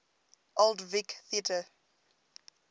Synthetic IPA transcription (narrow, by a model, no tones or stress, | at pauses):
ʔoldvikθiətʰə